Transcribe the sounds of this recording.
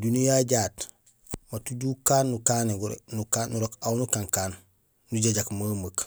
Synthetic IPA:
dunijaɟaːt | watuɟukaːnːukaneɡuɾ̰nukanuɾokawnukaŋkaːnː | uɟaɟakmamək

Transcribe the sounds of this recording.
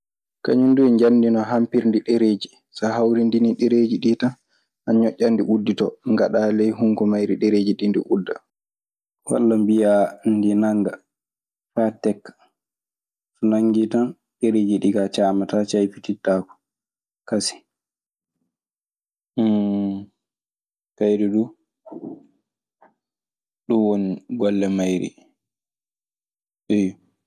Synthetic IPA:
ka̰ɲunduɲd͡ʒanːdinɔɦampiɾndiɗeɾeːd͡ʒi | saɦawɾindiniɗeɾeːd͡ʒiɗitan | ʔaɲɔʔʲːandiʔudːitɔŋɡaɗalɛjɦuŋkɔmajɾiɗeɾeːd͡ʒiɗindḭʔudːa̰ | wa̰lːambijandinaŋɡa | fatɛkːḁ | sɔnaŋɡitan | ɗɛɾed͡ʒiɗiɡat͡ʃaːmatat͡ʃajfititːakɔ̥ | kasi̥ | kajɾɛɗu | ɗunwoniɡɔlːɛmajɾḭ | ɗɛj

